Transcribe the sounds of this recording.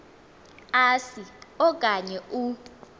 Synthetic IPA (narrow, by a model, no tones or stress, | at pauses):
asiɔkʼaɲɛʔu